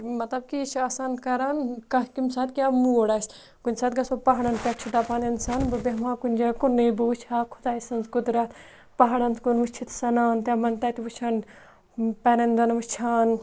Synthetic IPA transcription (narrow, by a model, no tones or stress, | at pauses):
mɐt̪lɐb̚kit͡ʃʰaːsankɐɾankɐkimsat̪̚kʲjaːmuoɽas | kunʲsaːt̪ɡɐsopɐɦaɽɐnpʲɛʈʰt͡ʃʰid̪aːpaːnɐnsaːnbɐbemãːkunʲd͡ʒakunːebɐʋut͡ʃʰaːkʰʊ̥d̪aːisɐnzɡʊd̪ɾɐt̪ | pɐɦaɽɐnzkunʋut͡ʃʰit̪ʰsɐnaːnt̪jaːmɐnt̪ɐt̪iʋut͡ʃʰaːn | pɛɾɐnd̪ɐnʋut͡ʃʰaːn